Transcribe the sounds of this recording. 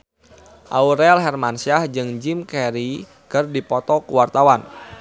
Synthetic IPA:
ʔauɾɛalɦɛrmansiahd͡ʒɨŋd͡ʒimkɛɾi | kɨrdipɔt̪ɔkuwart̪awan

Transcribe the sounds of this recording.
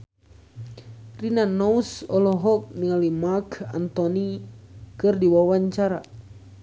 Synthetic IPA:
rinanɔusɔlɔɦɔk̚niŋalimaka̰nt̪ɔnikɨrdiwawaɲt͡ʃaɾa

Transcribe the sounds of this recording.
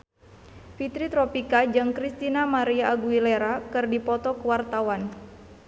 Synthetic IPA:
fit̪ɾit̪ɾɔpikad͡ʒɨŋkɾist̪inamaɾiaːɡuileɾakɨrdipɔt̪ɔkəwart̪awan

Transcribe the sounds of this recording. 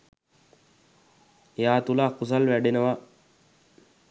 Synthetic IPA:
ejaːt̪ulakus̬alʋæɖenəʋa

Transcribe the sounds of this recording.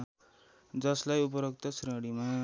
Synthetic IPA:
d͡zʌslajup̬ʌɾʌk̚t̪ʌsʰiɾʌɽima

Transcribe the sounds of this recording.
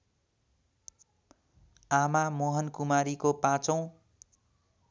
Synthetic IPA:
amamoɦʌnkumaɾikopãt͡sʌ̃w̃

